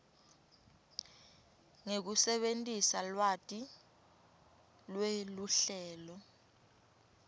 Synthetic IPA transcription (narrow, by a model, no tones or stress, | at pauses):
ŋek̬usɛɓentʼisalwatʼi | lweluɬɛːlɔ